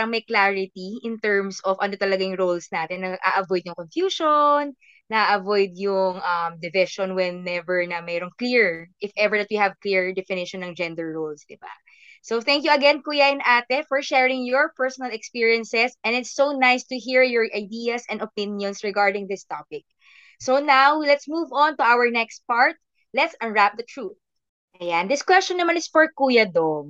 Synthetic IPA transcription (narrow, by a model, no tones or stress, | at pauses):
paɾɐŋmɐjklaɹɪt̪iʔɪnt̪ɛɹmsʔɔvɐnot̪ɐlɐɡajŋɹolsnaːt̪ɛnːɐɡʔa̰ʔɐvɔjd̪̚jʊŋkonfjuːʃonː | ɐʔaʔɐvojd̪̚jʊŋʔɐmd̪ɛvɪʃɔnwɛnːɛvɛɹnɐmɛːɾoŋkliɹʔɪfʔɛvɛɹd̪ɐt̪̚wihɐvkliɹd̪ɛfɪnɪʃɔnːɐŋd͡ʒɛ̃nd̪ɛɹːowlsd̪ɪba̰ | soθɛ̃ŋkjuɐɡɛnkuːjɐʔɪnʔaːt̪ɛfɔɹʃɛɹɪ̃ŋjɔɹpɛɹsɔnɐlɛkspiɹiɐ̃nsɛsʔɛ̃nɪt̪sːownajst̪ʊɦiɹjɔɹʔajd̪ijɐsɛ̃nd̪opɪ̃njɔ̃nsɹɛɡaɹd̪ɪ̃ŋd̪ɪst̪apɪk̚ | sonawlɛt̪smuvɔ̃nt̪ʊʔawəɹnɛkst̪̚paɹt̪̚ | lɛt̪sɐ̃nɹap̚d̪ɐt̪ɹuθ | ʔɐjand̪ɪskwɛst͡ʃɔ̃nːɐmanɪsfɔɹkuːjɐd̪oŋ